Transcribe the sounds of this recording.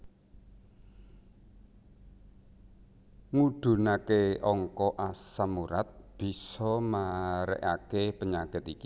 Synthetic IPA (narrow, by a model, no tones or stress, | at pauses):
ŋuɖ̪̥ṳnakeʔɔŋkɔʔasamuɾat̪̚b̥i̤sɔmaɾɛ̰ʔakepəɲaɡ̥ə̤t̪iki